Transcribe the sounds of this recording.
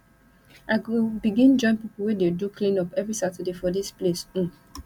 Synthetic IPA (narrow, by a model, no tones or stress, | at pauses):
ʔaɪɡobiɡĩnd͡ʒɔ̃ɪ̃npipl̩wɛdedukʰlĩnɔpɛvɹisatədefɔdisplesĩ